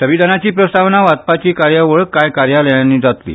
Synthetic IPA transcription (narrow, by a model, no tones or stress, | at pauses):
səʋid̪ʱanat͡ɕiːpɾəst̪aʋnaʋat̪̚pat͡ɕiːkaɾjəʋəɭkajkaɾjaləjãnːiːd͡zat̪lḭː